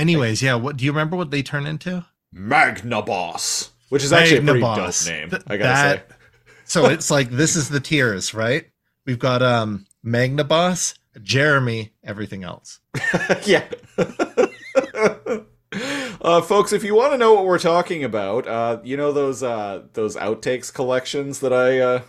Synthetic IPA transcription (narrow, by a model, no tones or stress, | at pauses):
ɛniweɪzjæwʌt̚d̥ɨjɨɹɨɪmɛ̃mbə˞wʌt̪̚ðeɪtʰɜ̃˞nɪ̃ntʰʉ | mæɡnəbɑ̰s | wɨt͡ʃɨzæk̚ʉiɡ̚nɨbɑosnḛ̃ɪ̃maɪkðɨt̚ | soʊɨtslaɪk̚ðɪsɨzðɨtʰɪɹɨz̥tɹaɪt̚ | wivɡɑɾʌ̃mː | æɡ̚nɨbɑs | ɨd͡ʒɛɹɨmiɛvɹiθɪ̃ŋɛ̰lˠs | jæ | ʔʌfoʊksɨfjɨwɑ̃nɨnoʊwʌt̚wɪɹtʰɔkɪ̃ŋɨbaʊtʌjɨñoʊðoʊzʌðoʊza̰ʊtʰeɪkskʰəlɛkʃɨ̃nzðəɾaɪʌ